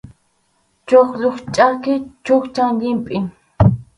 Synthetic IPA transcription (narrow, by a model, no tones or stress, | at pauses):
t͡ʃoχlʊχt͡ʃʼakɪt͡ʃʊkt͡ʃaŋʎɪmpʼɪ